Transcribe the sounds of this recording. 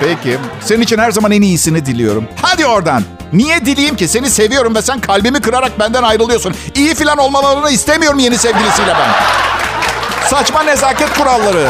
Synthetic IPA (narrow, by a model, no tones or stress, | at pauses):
pʰecʰise̞ninit͡ʃʰinhæɾzamanenijisinid̪ilʲijo̞̰ɾumhad̪io̞ɾd̪anː | ijɛd̪ilʲijimcise̞nise̞vijo̞ɾumvɛsænkʰalʲbimikɯɾaɾak̚bænd̪ænajɾɯlˠɯjosunijifilʲano̞lˠmalˠaɾɯnɯist̪emijo̞ɾumje̞nisevɟilʲisijlʲɛbæn | sat͡ʃmane̞zaːcɛt̪̚kuɾalˠːaɾɯ